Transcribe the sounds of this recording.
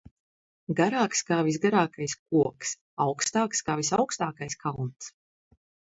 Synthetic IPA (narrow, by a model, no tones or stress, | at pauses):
ɡaɾaːkskaːvisɡaɾaːkajsk̚uɔks | awkst̪aːkskaːvisawkst̪aːkajskʰalˠnt̪s